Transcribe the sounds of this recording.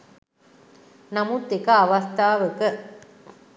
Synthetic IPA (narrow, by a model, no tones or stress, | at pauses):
nɐmut̪ːekɐːʋɐst̪ʰaːʋəkə